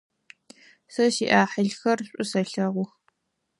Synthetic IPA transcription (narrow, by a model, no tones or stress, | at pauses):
sɐʃiːʔaːħəɮxɐrɕʷʼʊsɐɬɐʁʷʊx